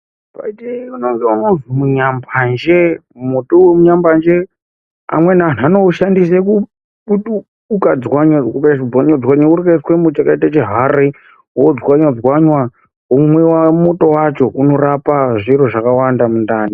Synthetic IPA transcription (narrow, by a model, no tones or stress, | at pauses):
pa̰d͡ʒeunoŋɡaunovimuɲamband͡ʒemotomuɲamband͡ʒe | a̰mwenaːn̤anouʃandis̬eku | uɗu | ukad͡zwaɲwaukaid͡zwaɲad͡zwaɲwauɾikaiswemot͡ʃakaitat͡ʃeɦaɾi | wod͡zwaɲwad͡zwaɲwa | umwewamoto̞wat͡ʃo̞kuno̞ɾapaʐiɾoʐakawandamundaːni